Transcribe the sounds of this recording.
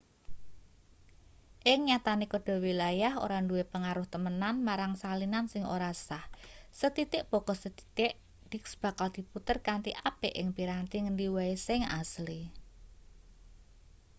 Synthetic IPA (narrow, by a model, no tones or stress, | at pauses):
ʔɪŋɲat̪anikɔɖ̥ɔ̤wilajaɦo̰ɾaɳduwepəŋaɾʊht̪əmənanmaɾaŋsalinansɪŋo̰ɾasahsət̪it̪ɪʔb̥ɔ̤ɡ̥ɔ̤sət̪i̥t̪ɪʔ | d̪̥i̤ksb̥a̤kald̪̥i̤put̪ərkant̪ḭʔapeʔɪŋpiɾant̪iŋəndiwaesɪŋa̰sli